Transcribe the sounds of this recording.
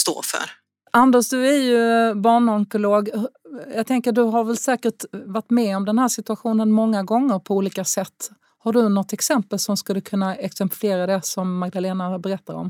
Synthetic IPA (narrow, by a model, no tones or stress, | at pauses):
st̪o̰ːfœ̰ɾ | ʔand̪əʂd̪ɵæɾjɵbɑːɳɔŋkʊloːɡhjɑːɡt̪ʰɛŋkəɖɵɦaɾvɛlsɛːkəʈvaʈːmɛɔmd̪ɛnhæːʂɪt̪ɵaɧuːnənmɔŋːaɡɔŋːəɾpʰɔuːliːkasɛt̪ː | haɖɵnɔt̪ːɛksɛmpəlsɔmskald̪ɵkʰɵnːaɛksɛmpfɪeːɾad̪ɛsɔmːaɡ̚d̪aleːnabɛɾɛt̪ːaɾɔ̰m